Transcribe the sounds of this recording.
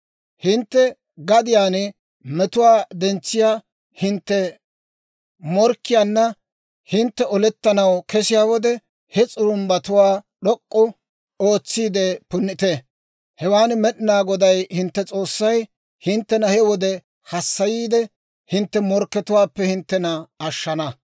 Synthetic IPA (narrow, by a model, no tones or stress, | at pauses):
hɪnt̪ːɛ | ɡɐd̪ɪjaːn | mɛt̪ʊwaːd̪ɛnt͡sːɪjaː | hɪnt̪ːɛ | mɔɾkːɪjaːnːɐ | hɪnt̪ːɛɔlɛt̪ːɐnɐwkʰɛsɪjaːwɔd̪ɛ | hɛt͡sʼʊɾʊmbɐt̪ʊwaːɗɔkʼːʊ | o̞ːt͡sːiːd̪ɛpʊnːɪt̪ɛ | hɛwaːnmɛɗɪnaːɡɔd̪ɐjhɪnt̪ːɛt͡sʼo̞ːsːɐj | hɪnt̪ːɛnɐhɛwɔd̪ɛ | hɐsːɐjiːd̪ɛ | hɪnt̪ːɛmɔɾkːɛt̪ʊwaːpːɛhɪnt̪ːɛnɐːʃːɐnɐ